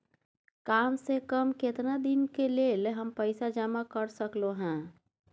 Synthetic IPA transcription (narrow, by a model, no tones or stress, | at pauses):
kamsekəmket̪nad̪inkelelɦəmpəɪsad͡ʒəmakəɾsəkloɦɛ̃